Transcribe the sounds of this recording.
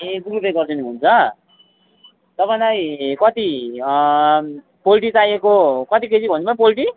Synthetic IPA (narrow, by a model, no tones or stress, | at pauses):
ekrupeɡʌrd͡zʌniɦunt͡sʰʌ | t̪ʌpajlajkʌt̪i | polʈit͡sajekokʌt̪iket͡sʰibʱʌnibʌnpolʈi